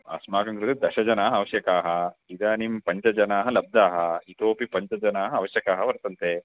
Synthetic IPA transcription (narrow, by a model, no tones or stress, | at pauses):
ɐ̰smaːkɐŋkɾut̪ɐd̪ɐʃɐd͡ʒɐnaːɦɐɐʋɐʃjɐkaːɦɐid̪aːnimpɐɲt͡ʃɐd͡ʒɐnaːɦɐlɐb̚d̪aːɦɐit̪oːpipɐɲt͡ʃɐd͡ʒɐnaːɦɐɐʋɐʃjɐkaːɦɐʋɐɾt̪ɐnt̪e